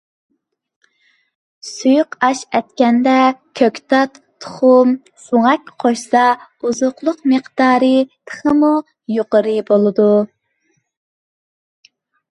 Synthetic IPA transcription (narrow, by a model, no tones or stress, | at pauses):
sujuqɑʃɛt̪kʲɛnd̪ɛkʲʰøkʲt̪ʰɑt̪ʰːʊ̥χʊm | soŋɛkʲqʰoʃsɑuzʊqlˠʊqməqd̪̥ɑːɾɨt̪ʰə̥χəmu | joqəɾɨbolˠɨd̪u